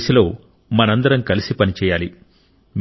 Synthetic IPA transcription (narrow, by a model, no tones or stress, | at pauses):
silo̞ː | mɐnɐnd̪ɐɾɐmkɐlisipɐnit͡ʃɛːjaːli | m